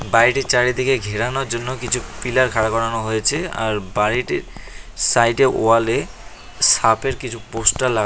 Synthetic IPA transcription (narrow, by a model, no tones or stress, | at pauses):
baɾiʈit͡ɕaɽid̪ikeɡʱiɾanoɾd͡ʑonːokit͡ɕʰupilaɾkʰaɾakɔɾanoɦojet͡ɕʰea̰ɾbaɾiʈiɾsajʈeʔo̰ale | sapeɾkit͡ɕʰuposʈalːa